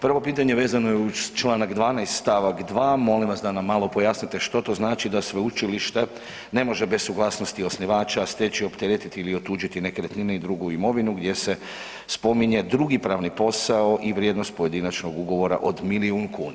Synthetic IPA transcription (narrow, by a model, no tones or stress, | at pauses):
pr̩ʋo̞piːt̪̬aɲe̞ʋe̞ːzano̞jeut͡ʃlˠaːnakd̪ʋaːnajst̪st̪aʋakd̪ʋaːmo̞limʋasd̪anamːalˠopo̞jasnit̪eʃt̪o̞t̪o̞znaːt͡ʃid̪asʋeut͡ʃiliʃt̪e̞ | ne̞mo̞ʒebessuɡlˠaːsno̞st̪io̞sniʋaːt͡ʃast̪et͡ʃio̞pt̪eɾet̪it̪iiliot̪ːuːd͡ʒit̪ine̞keɾet̪nineid̪ɾuɡuimo̞ʋinuɡd̪je̞se̞ | spo̞miɲe̞d̪ɾuɡipɾaːʋnipo̞sao̞ʔiʋɾjed̪no̞st̪̚poje̞d̪inat͡ʃno̞ɡuɡo̞ʋo̞ɾa̰ʔo̞d̪miliunkuːna